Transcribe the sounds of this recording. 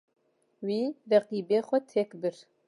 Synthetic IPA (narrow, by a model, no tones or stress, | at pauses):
wiːrɛqiːbeːxʷɛt̪ʰɛkbɨɾ